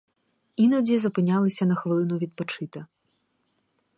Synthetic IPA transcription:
inɔdʲizɔpɪnʲːalˠɪsʲɐnɐxʋɪlˠɪnʊʋʲid̪̚pɔt͡ʃɪt̪ɪ

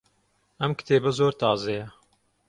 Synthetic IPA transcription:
ɛmkɨ̥t̪ʰeːbɛzoːɾt̪ɑːzejɛ

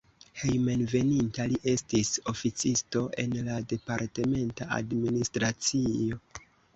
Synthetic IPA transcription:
he̞jmenve̞nintaliʔe̞stiso̞fit͡sisto̞ʔe̞nlade̞paɾte̞me̞ntaa̰dministɾat͡sio̞

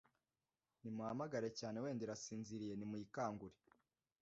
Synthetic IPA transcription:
nimuhamaɡaɾe̞caːnewe̞ːndiɾasiːnziɾije̞nimujikaːŋɡuɾe

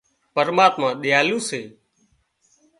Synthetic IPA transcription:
pəɾmaːt̪mãːɗɪjaːlũːseː

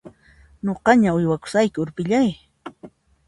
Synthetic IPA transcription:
ɲoqɑɲaʊjwakʊ̥sajkɪʊɾpɪʎaj

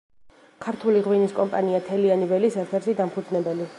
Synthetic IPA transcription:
kʰaɾt̪ʰuliʁwiniskʼɔmpʼaniat̪ʰɛlianivɛlisɛɾt̪ʰɛɾʃid̪ampʰud̪znɛbɛli

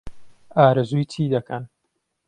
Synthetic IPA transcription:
ʔaːɾɨzuːjtʰiːd̪ɐkʰɐn

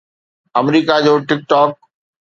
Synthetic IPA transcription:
ɐmɾiːkad͡ʑoːʈɪk̚ʈɔːk̚

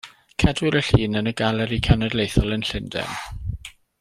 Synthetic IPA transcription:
kʰɛdwɪɾəɬiːnənəɡalˠɛɾikʰanɛdlejθɔlˠənɬɪndɛ̰m

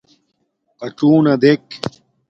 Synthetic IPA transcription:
pɐʈ͡ʂuːnɐd̪ek

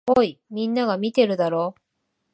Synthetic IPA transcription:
oimʲĩnːaɡamʲit̪e̞ɾɯ̟d̪aɾoː

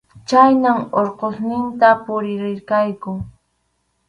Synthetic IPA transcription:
t͡ʃajnaŋoɾqosnɪnt̪apʊɾɪɾɪɾkajkʊ

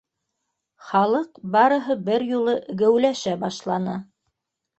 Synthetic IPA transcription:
χɑlˠɤqbɑɾɤ̆ɦɤbɘɾjulˠɤɡæwlæʃæbɑʃlˠɑnɤ

